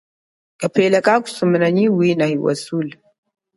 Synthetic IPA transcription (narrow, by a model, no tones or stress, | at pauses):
kʼapeːlakʼaku̥sumnaɲiwiːnahiwa̰sul